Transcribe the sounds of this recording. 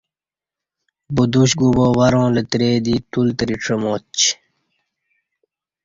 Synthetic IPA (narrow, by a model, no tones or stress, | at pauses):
bud̪uɕɡuboːwɐɾõːlet̪ɾeːd̪iːt̪ult̪ɾiʈ͡ʂʰəmoːt͡ɕ